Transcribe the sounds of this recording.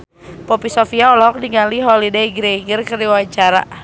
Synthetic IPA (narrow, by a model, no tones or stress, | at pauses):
pɔpisɔfiaɔlɦɔk̚diŋaliɦɔlidaiɡɾɛiɡərkərdiwaɲt͡ʃaɾa̰